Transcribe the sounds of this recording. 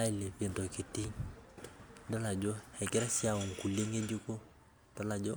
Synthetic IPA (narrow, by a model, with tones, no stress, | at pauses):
a˦i˨le˨pe˨ndo˨ki˨ti˦ŋ | dɔ˦la˨d͡ʒo˦hɛ˨kɛ˦ɾa˦si˦a˨o˨ŋ̩˨ku˨le˦ŋe˦d͡ʒi˦ko˦ | d̥ɔ˦la˨d͡ʒo˦